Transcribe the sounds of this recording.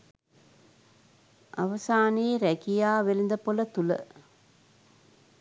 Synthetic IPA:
ʔa̰ʋɐsaːneːɾækijaːʋelind̪əpolət̪ulə̰

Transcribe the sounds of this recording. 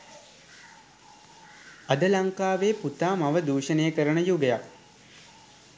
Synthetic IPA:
ad̪əlaŋkaːʋeːput̪aːmaʋəd̪uːʂəneːəkəɾənəjuɡejak̚

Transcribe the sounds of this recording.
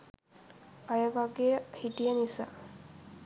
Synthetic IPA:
ajəʋaɡehiʈijənisa̰

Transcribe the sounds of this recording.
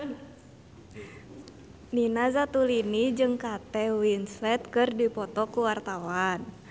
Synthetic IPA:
ninazat̪ulinid͡ʒɨŋkat̪ɛwinslɛt̪̚kɨrdipɔt̪ɔkuwart̪awan

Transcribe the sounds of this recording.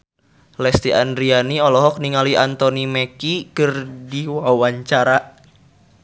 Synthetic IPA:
lɛst̪iandɾianiɔlɔɦɔk̚niŋaliant̪ɔnimɛkikɨrdiwawaɲt͡ʃaɾa

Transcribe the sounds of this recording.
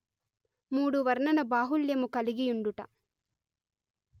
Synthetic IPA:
muːɽuʋɐɾɳɐnɐbaːɦuljɐmukɐliɡijuɳɖuʈɐ

